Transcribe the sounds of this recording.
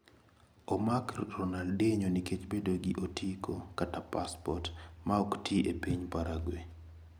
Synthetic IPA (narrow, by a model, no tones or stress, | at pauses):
ɔmakɾɔnaldeɲoniket͡ʃbedoɡiʔotʰikʰokatapaspɔtmaɔkteʔepiɲpaɾaɡwe